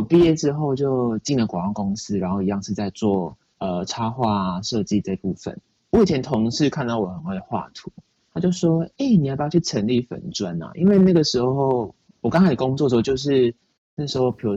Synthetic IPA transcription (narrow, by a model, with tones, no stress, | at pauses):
ɔ˨˩pi˥˧jɛ˥˧ʈ͡ʂɻ̩˥xo˥˧ʊt͡ɕjo˥˧ʊt͡ɕi˥˩ŋlə˨˩kwa˨˩ŋwa˥˩ŋko˦˥ŋs̩˧˥ɻa˧˥nxo˥˩ʊi˧jɑ˥˧ŋʂɻ̩˥˧t͡sa˥˧ɪt͡swɔ˥˨˩ | ə˨ʈ͡ʂʰa˥xwa˥˩˨ʂɤ˥˧t͡ɕi˥˧ʈ͡ʂə˥˧pṵ˥˩fə̰˨˩˦n | wɔ˧˥i˨˩t͡ɕʰjɛ˧˦nt̪ʰo˧˦ŋʂɻ̩˥˧kʰa˥˧nt̪ɑ˥˩ʊwɔ˨˩xə˨˩nwe˥˩˨xwa̰˥˩t̪ʰu˨˧˦ | t̪ʰa˥t͡ɕjo˥˩ʊʂwɔ˥e˥˩ɪni˨˩a˨˩pjt͡ɕʰy˥˩ʈ͡ʂʰə˧˦˥nli˥˩fə̰˨˩nʈ͡ʂwa˦na̰˨ʔḭ˦nwe˥˧ɪna˥˩ɡə˩ʂɻ̩˧˦xo˥˧xo˥˩ʊ | wɔ˨˩ka˥ŋʰa˥ɪə˩ko˥ŋt͡swɔ˥˩˧o˥˧t͡ɕjo˥˧ʊʂ̬ɻ̩˥˧ | n˥˩ɡə˩ʂɻ̩˧˥xo˥˧ʊpʰjo˧˥